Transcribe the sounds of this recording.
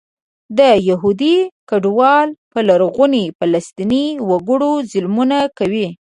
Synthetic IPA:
d̪əjaɦud̪ikaɖwɑlpəlaɾɣunifalast̪iniwaɡəɽozɪlmunakawi

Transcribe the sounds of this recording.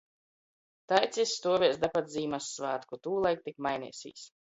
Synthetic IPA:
t̪ajt̪sʲisːt̪uɔvʲiɛsd̪apat̪ziːmasːvaːt̪kut̪uːlˠajk̚t̪ikmajnḭɛsʲḭːsʲ

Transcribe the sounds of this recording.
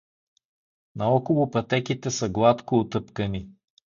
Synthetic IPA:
nɐɔkolˠʊpɐt̪ɛkʲit̪ɛsəɡlˠat̪koːt̪ɤpkəni

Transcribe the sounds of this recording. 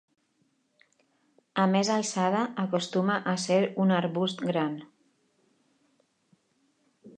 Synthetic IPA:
əmezalˠsað̞əːkost̪uməʔaseɾunaɾβust̪ɡɾan

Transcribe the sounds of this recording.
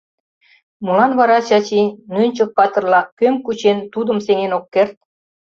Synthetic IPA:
mulɑnβɑɾɑt͡ɕɑt͡ɕinønʲt͡ɕok̚pɑt̪ɤ̆rlɑkːømkut͡ɕent̪ud̪ə̆mseŋenokːert̪̚

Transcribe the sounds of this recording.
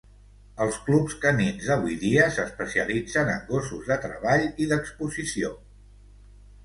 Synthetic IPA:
əlˠsklupskəminzðəβ̞ujðiəsəspəsiə̰lid͡zənə̰ŋɡosuzðət̪ɾəβaʎiðəkspuzisio

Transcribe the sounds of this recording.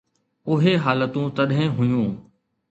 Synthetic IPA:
ʊɦeɦaːlət̪ũt̪ɐɗɦɪ̃ɦʊjũː

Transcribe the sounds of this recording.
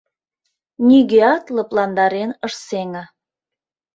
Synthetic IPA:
nʲyɣeɑt̪lə̆plɑnd̪ɑɾenəʃseŋɑ

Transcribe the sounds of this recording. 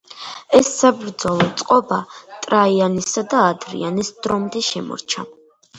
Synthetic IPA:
ɛsːabɾd̪zɔlˠɔt̪sʼqʼɔbat̪ʼɾaianisad̪aːd̪ɾḭanisd̪̥ɾɔmd̪ɛʃɛmɔ̰ɾt͡ʃʰa

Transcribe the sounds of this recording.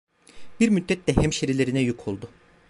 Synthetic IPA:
b̥iɾmyd̪ːɛt̪d̪ɛhɛmʃeɾilʲeɾinɛjukʰolˠd̪ʊ

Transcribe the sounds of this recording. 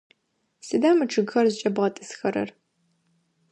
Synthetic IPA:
sɨdaːmɨʈ͡ʂʰɨɡxɐrzɨt͡ʃʼɐbʁɐtʼɨsxɐɾɐ̰r

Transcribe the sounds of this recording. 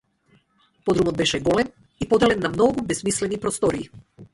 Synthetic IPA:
pɔd̪ɾumɔd̪̚bɛʃɛɡɔlɛm | ipɔd̪ɛlɛnːamnɔɡubɛsmislɛnipɾɔst̪ɔɾiː

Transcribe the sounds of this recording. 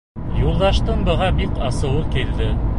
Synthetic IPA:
julˠd̪ɑʃt̪ɤnbɤ̆ʁɑbikɑsɤ̆wɤkild̪ɘ

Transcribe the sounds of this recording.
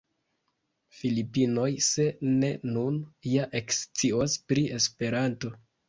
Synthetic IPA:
filipino̞jse̞ne̞nunjaʔe̞kst͡siospɾiʔe̞spe̞ɾanto̞

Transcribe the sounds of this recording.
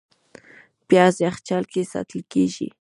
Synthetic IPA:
pjasjaχt͡ʃalkɪsa̰t̪ɪlkɪʃɪ̰

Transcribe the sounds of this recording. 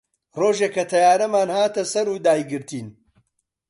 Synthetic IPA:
roːʒekɐt̪ʰɐjaːnɐmaːnhaːt̪ɐsɐɾuːd̪aːjɡɨɾt̪ʰiːn

